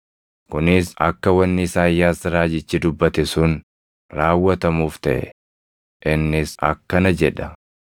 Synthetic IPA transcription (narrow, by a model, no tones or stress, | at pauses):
kʊnɪsɐ̰kːɐwɐnːɪsaːjːaːsɪɾaːd͡ʒɪt͡ʃːɪd̪ʊbːɐt̪ɛsʊn | ɾaːwːɐt̪ɐmuːft̪ɐ̰ʔɛ̰ | ʔɪnːɪsɐ̰kːɐnɐd͡ʒɛᶑɐ